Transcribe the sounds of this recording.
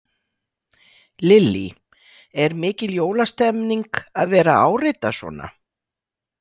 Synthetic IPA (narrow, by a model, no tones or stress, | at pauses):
lɪlːḭ | ɛɾmɪːcɪljoːwlast̪ɛmniŋkaðvɛːɾaaːwrɪt̪asvɔ̰ːna̰